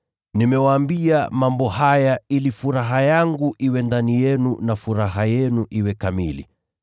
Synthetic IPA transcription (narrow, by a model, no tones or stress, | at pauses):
nimɛwaːmbiamambɔhajailifuɾaɦajaŋɡuʔiwɛndanijɛnunafuɾaɦajɛnuʔiwɛkamḭlḭ